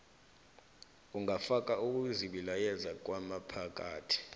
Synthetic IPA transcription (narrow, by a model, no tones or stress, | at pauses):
uŋafak̬ʼauk̬ʼuziɓilajɛzak̬ʼwamapʰak̬ʼaːtʰi̥